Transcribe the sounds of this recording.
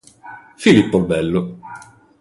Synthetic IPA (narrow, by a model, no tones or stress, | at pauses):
filipːolbɛlːo